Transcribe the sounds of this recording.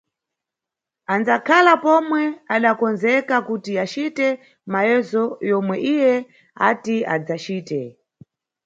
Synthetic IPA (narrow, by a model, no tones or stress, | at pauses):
anzakʰalapɔmwɛaɗakɔnzɛkakutiat͡ʃitɛ | majɛzɔjɔmwɛʔijɛ | atia̰d͡zat͡ʃiːtɛ